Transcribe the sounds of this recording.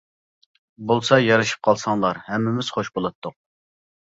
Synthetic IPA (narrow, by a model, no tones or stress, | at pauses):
bolˠsɑjɑɾɨʃi̥p̚qʰɑlˠsɑŋlˠɑɾhɛmːɪmɪz̥χoʃbolˠɑt̪ʰːʊq̚